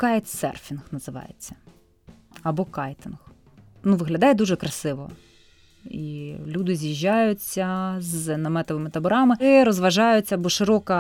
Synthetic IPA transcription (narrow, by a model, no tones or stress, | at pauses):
kɑjt̪sɛ̰rfʲinxnɐzɪʋɑ̰jḛt͡sʲːɐ̥ | ɐbɔkɑjt̪ɪnx | nuʋɪɦlʲɐd̪ɑjɛd̪uʒɛkɾɐsɪʋɔ̰ | ilʲud̪ɪzʲjiʒʲːɑjʊt͡sʲːɐznɐmɛt̪ɔʋɪmɪt̪ɐbɔɾɑmɪɪɾɔzʋɐʒɑjʊt͡sʲːɐbɔʃɪɾɔkɐ